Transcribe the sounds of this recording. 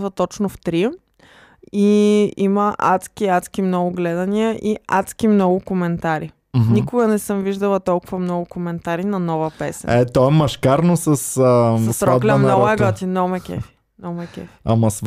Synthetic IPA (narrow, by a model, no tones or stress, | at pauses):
vət̪ɔt͡ʃnʊft̪ɾi | iiməʔa̰t̪skiat̪sk̟imnɔɡʊɡlɛd̪ɐniəʔiat̪skʲimnɔɡʊkomɛnt̪aɾi | nikʊɡɐnɛsəmviʒd̪ɐlˠɐt̪ɔlˠkʊvɐmnɔɡʊkomɛnt̪aɾinɐnɔvəpɛsɛ̰ɛt̪ɔɛmɐʃkaɾnosɐsəsɐsɾɔd̪lʲɛmɔɛɡɔt̪inɔmɛkʲɛ̰fi̥ | nɔmɛkʲɛ̰fi̥amɐs